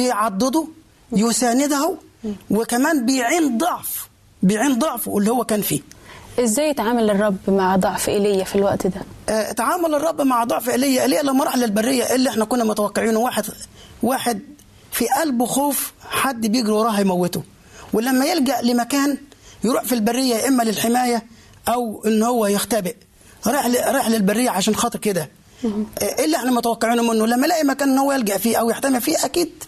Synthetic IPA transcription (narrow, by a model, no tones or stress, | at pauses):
bejʕɑd̪ˤːɨd̪ˤo | jʊsæːnɪd̪hʊwɪkæmæːnbɪjʕiːnd̪ˤɑʕf | bejʕiːnd̪ˤɑʕfʔelːihowːækæːnfiːʔɪzːæːjːet̪ʕaːmælerˤːɑbːmaʕd̪ˤoʕfʔelɪjːæfilwæʔt̪d̪æʔt̪ʕaːmʊlerˤːɑbːmaʕd̪ˤɑʕfʔelejːæʔelɪjːælæmːɑɾˤɑːħlelbærːɪjːæʔelːiʔeħnækʊnːæmʊt̪æwæqːeʕiːnwaːħed̪ | waːħed̪̚ | fiʔælbxoːfħad̪ːbjeɡɾiwɾˤɑːɦjmæwːɪt̪o | wɪlæmːæjelɡæʔlɪmækæːnjɾuːħfilbærːɪjːæjʔɪmːælɪlħemæːjæ | ʔæwʔɪnːhowːæjɪxt̪æbɪʔ | ɾeħlɾˤɑħlelbærːɪjːæʕaʃæːnxɑːt̪ˤɨɾked̪æ | ʔelːiʔeħnæmʊt̪æwæqːeʕiːnmɪnːʊlæmːælæːʔimækæːnʔenːhowːæjelɡæʔfiːʔæwjeħt̪æmelfiːʔækiːd̪